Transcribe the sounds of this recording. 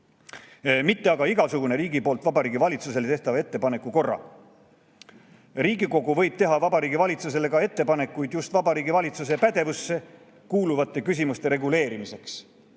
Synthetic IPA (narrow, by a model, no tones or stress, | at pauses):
mit̪ːe̞ɑɡ̥ɑiɡ̥ɑsuɡ̥une̞ɾiːɡipoːlt̪vɑbɑɾiːɡivɑlʲit̪sus̬e̞let̪eht̪ɑvɑe̞t̪ːepɑne̞kːˑuko̞rːɑ̰ | riːɡiko̞ɡuvɤ̞jb̥̚t̪e̞ɦɑvɑbɑɾiːɡivɑlʲit̪sus̬e̞le̞kɑe̞t̪ːe̞pɑne̞kːˑujd̪̥just̪vɑbɑɾiːɡivɑlʲit̪sus̬e̞pæd̪e̞vusːe̞ | kuːluvɑt̪ːˑe̞kys̬ʲimust̪e̞ɾe̞ɡuleːɾimise̞ks